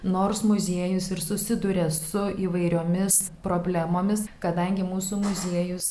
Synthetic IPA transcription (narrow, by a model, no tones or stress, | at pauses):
noːrsmʊzʲiɛjʊsɪɾsʊsʲɪd̪ʊɾʲeːsʊiːʋɐɪɾʲoːmʲɪspɾoːbʲlʲæmoːmʲɪskɐd̪ɐŋʲɡʲɪmuːsuːmʊzʲiɛjʊs